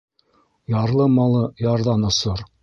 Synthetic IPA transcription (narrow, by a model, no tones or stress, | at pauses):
jɑɾlˠɤmɑlˠɤjɑɾðɑnŏsoɾ